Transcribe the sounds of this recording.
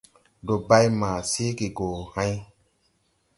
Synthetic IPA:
ɖo˨ba˦jma˨se˦ki˨ɡoː˨hã˦j

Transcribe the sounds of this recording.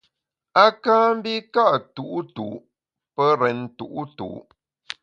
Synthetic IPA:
a˦kaː˦m̩˦bi˦ka˦ʔtu˨ʔu˦tu˨ | pə˦ɾɛ˨ntṵ˨ʔu˦tṵ˨

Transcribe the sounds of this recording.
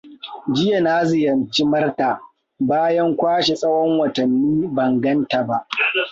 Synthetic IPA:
d͡ʒɪ˦ja˨naː˦zɪ˨jɐ˨nt͡ʃi˦mɐ˦rta˨ | baː˦jɐ˦ŋkʷaː˦ʃe˨sʼɐ˦wɔ˦ŋwɐ˨tɐ˨nːiː˦bɐ˨ŋɡɐ˦nta˨ba˦ʔ

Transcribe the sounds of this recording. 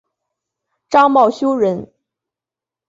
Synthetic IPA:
ʈ͡ʂɑ˥ŋmɑ˥˩ʊɕjo˥ʊɻə˧˥n

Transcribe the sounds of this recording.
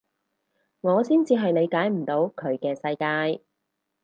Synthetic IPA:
ŋɔː˨˧siː˥nt͡siː˧ɦɐ˨jne˨˧jkaː˨˥jm̩˨˩t̪o˨˧wkʰɵ˨˧ɥkɛː˧sɐ˧jkaː˧j

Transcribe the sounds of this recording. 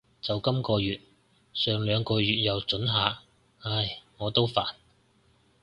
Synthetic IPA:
t͡sɐ˨wkɐ˥mkɔː˧jyː˨t̚ | sœː˨˧ŋlœː˨˧ŋkɔː˧jyː˨t̚jɐ˨wt͡sɵ˨˥nɦaː˨˧ | ɐ˧˩jŋɔː˨˧t̪o˥wfaː˨n

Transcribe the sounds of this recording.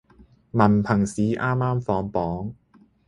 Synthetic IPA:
mɐ˨˩npʰɐ˨˩ŋsiː˨˥ʔaː˥mːaː˥mfɔː˨˥ŋpɔː˨˥ŋ

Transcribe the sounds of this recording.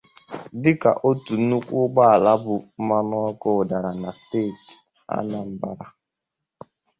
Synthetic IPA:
dɪ˦ka̰˨ʔo˦tu˨˦nu˦kʷʊ˦ɡ͡ba˦a˨la˦bʊ˨m̩˦ma˦nɔ˦ɔ˦kɔ˦˨da˨ɾa˨na˨steː˦˨t | a̰˦na˦˨m̩˦ba˦ɾa˨

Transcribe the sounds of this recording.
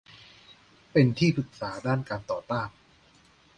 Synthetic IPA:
pe˧nt̪ʰiː˥˩pʰɯ˨˩k̚saː˩˦daː˥˩nkaː˧nt̪ɔː˨˩t̪aː˥˩n

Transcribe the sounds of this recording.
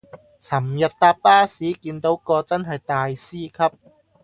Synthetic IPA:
t͡sʰɐ˨˩mjɐ˨t̚t̪aː˧p̚paː˥siː˨˥kiː˧nt̪o˨˥wkɔː˧t͡sɐ˥nɦɐ˨jt̪aː˨jsiː˥kʰɐ˥p̚

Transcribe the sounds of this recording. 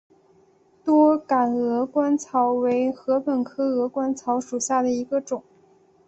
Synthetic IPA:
t̪wɔ˥ka˨˩nɤ˧˥kwa˥nt͡sʰɑ˧˥ʊwe˧˥ɪxɤ˧˥pʰə˨˩nkʰɤ˥ɤ˧˥kwa˥nt͡sʰɑ˧˥ʊʂu˨˩ɕja˥˩d̪ə˩i˧˥ɡə˧ʈ͡ʂʊ˨˩˦ŋ

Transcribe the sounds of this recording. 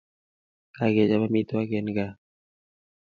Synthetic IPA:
ka˨ɡɛ˨d͡ʒa˦ba˦mi˦t̪o˦wa˦ɡɛ˨nɡa˦

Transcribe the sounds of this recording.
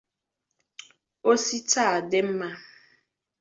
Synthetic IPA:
o˦si˦ta˦˨a˨de˦m̩˦ma˦

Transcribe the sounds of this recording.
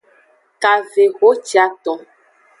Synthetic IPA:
ka˨ve˨ɣo˦t͡ʃi˨˦a˨˦t̪ɔ̃˨

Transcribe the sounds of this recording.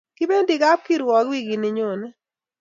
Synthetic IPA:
kɪ˦be˦ndi˨ɡa˦p̚ki˦ɾwɔ˨kwi˦ɡi˨nɪ˨ɲo˨nɛ˦

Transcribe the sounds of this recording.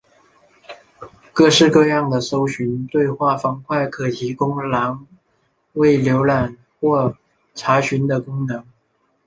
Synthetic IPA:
kɤ˥˧ʂɻ̩˥˧kɤ˥˧jɑ˥˩ŋd̪ə˩so˥ʊɕy˧˥nt̪we˥˧ɪxwa˥˩fɑ˧˥ŋkʰwa˥˩ɪkʰɤ˨˩t̪ʰi˧˥kʊ˥ŋla˧˥ŋ | we˥˩ɪljo˧˥ʊla˨˩n | xwɔ˥˩ | ʈ͡ʂʰa˧˥ɕy˧˥nd̪ə˨kʊ˥ŋnɤ˧˥ŋ

